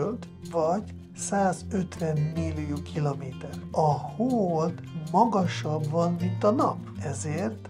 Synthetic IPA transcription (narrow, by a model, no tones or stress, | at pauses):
ølt̪ | vɒɟ | saːzø̞t̪vɛnːilːijuːkʰilomeːt̪ɛrɒhoːolt̪mɒɡɒʃɒbvɒnmint̪ɒnɒp | ɛzeːrt̪